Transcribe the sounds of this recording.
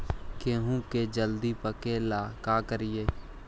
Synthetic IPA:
keːɦũked͡ʒəld̪ipəkeːlaːkaːkəɾɪeː

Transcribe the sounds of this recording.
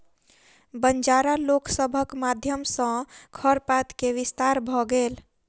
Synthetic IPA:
bənd͡ʒaɾalokʰsəbʱəkmad̪ʱjəmsə̃kʰəɾpat̪keʋist̪aɾbʱɔɡel

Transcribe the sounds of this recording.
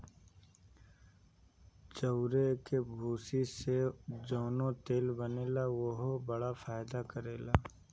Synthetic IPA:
d͡ʒəʊɾekebʱuːsised͡ʒoːnõt̪eːlbəneːlawoɦobəɽafʰaːjd̪akəɾeːlaː

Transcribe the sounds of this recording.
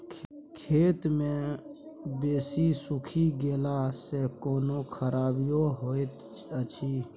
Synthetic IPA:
kʰ | kʰeːt̪mẽ | beːsisʊkʰiɡeːlasekoːnokʰəɾaːbijoɦoːet̪ | ət͡ʃʰiː

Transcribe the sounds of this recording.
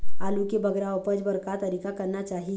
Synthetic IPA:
alukebʱəɡɾaopəd͡ʒbəɾkat̪əɾikakəɾnat͡ʃaɦi

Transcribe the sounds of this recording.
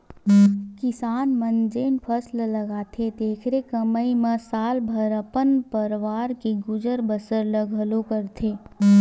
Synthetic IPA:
kɪsaːnmənd͡ʒeːnpʰəslləɡaːt̪ʰed̪eːkʰɾekəməiməsaːlbʱəɾəpənpəɾʋaːɾkeɡʊd͡ʒəɾbəsəɾləɡʱəlokəɾt̪ʰeː

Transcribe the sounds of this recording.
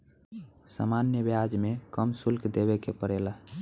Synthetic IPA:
sa̰manjəbjad͡ʒmekəmsulkd̪eβekepəɽeləɦ

